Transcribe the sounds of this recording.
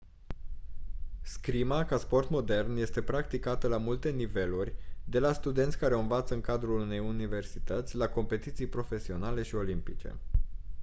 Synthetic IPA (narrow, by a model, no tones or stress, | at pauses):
skɾimakaspo̞rt̪mo̞d̪e̞rnje̞st̪e̞pɾakt̪ikat̪əlamult̪e̞nive̞lurʲd̪e̞last̪ud̪e̞nt̪sʲkaɾeoɨnvat̪səɨŋkad̪ɾulune̞junive̞rsit̪ət̪sʲlako̞mpe̞t̪it̪sijpɾo̞fe̞sio̞nale̞ʃio̞limpit͡ʃe̞̰